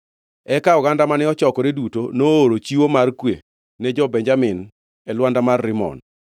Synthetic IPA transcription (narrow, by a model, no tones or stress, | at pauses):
ɛkaɔɡandamanɛɔt͡ʃɔkɔɾedutonoːɾot͡ʃiwomarkwḛ | nɛd͡ʒɔbɛɲd͡ʒamɪn | ɛlwandamarːɪmɔ̰n